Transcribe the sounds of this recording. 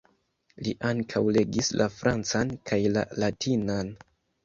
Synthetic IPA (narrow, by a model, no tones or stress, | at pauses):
liʔaŋkʰawle̞ɡislʔafɾʔant͡sankʰajla̰latʰinan